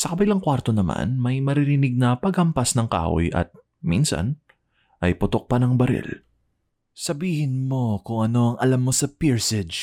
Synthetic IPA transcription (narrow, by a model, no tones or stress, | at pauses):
sɐkɐbɪlɐŋkwaɾt̪o̞nɐma̰nmɐjmɐɾɪɾɪnɪɡ̚nɐpɐɡhɐmpɐsnɐŋka̰ːʔo̰jʔɐ̰t̪̚ | mḭnsɐ̰n | ʔɐjpʊt̪o̞k̚pɐnɐŋbɐɾɪ̰l | sɐbiːhɪnmo̞kʊŋɐno̞ɐŋʔɐlamːosɐpiɹsɪd͡ʒ